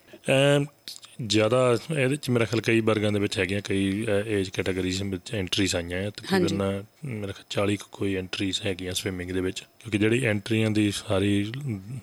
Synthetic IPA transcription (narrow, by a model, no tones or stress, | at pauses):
ɛː | zjaːd̪aːeːd̪t͡ʃmeːɾaːkʰjaːlkəiːbəɾɡãːd̪eːʋɪt͡ʃɦɛːɡɪjãːkəiːeːd͡ʒkɛːʈəɡəɾiːzɪt͡ʃɛ̃ːɳʈɾiːzaːɪjãːɛ̃t̪kːbənãːmeːɾaːkʰɛaːlt͡ʃaːliːkkoːiːɛ̃ːɳʈɾiːzɦɛːɡɪjãːsʋɪmɪ̃ŋɡd̪eːʋɪt͡ʃkjõːkid͡ʒeːɽiːʔɛ̃ːɳʈɾiːãːd̪iːsaːɾiː